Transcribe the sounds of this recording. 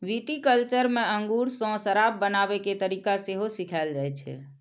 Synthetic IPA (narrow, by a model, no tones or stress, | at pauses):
ʋiʈikəlt͡ʃəɾmeəŋɡuɾsɔ̃səɾab̚ːənabeket̪əɾikaseɦosikʰald͡ʒajt͡ʃʰɛ̰